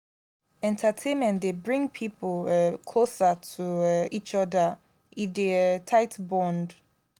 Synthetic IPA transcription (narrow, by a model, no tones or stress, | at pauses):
ɛ̃ntʰətʰẽnmɛ̃ntdebɹĩŋpʰiplkʰlosatʰuit͡ʃɔdə | ʔidetʰaɪtbɔ̃nd